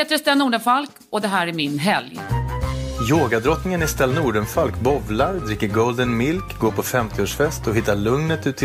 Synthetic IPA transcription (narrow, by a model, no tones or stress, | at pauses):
heːt̪əɾɛst̪ɛnːuːɖənfalk | ɔd̪ɛɦæːɾæɾmɪnɦɛ̰lj | joːɡad̪ɾɔt̪nɪŋənɛst̪ɛlːanuːɖənfalkbɔvlaɾd̪ɾɪkːəɾɡɔld̪ənmɪlkɡoːpʰɔfɛmt̪ʰɪoːʂfɛst̪ʰɔɦɪt̪ːaɭɵŋnət̪ʉ̟ːt̪ʰː